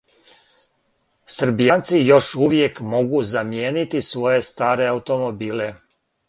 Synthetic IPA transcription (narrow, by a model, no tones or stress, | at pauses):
sr̩bijant̪sijo̞ʃuʋje̞kmo̞ɡuzamjeːnit̪isʋo̞je̞st̪aːɾe̞aut̪o̞mo̞biːle̞